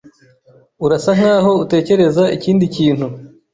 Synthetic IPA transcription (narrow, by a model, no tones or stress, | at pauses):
uɾasaŋ̥haːho̞ute̞ːce̞ɾe̞zaiciːndiciːnhu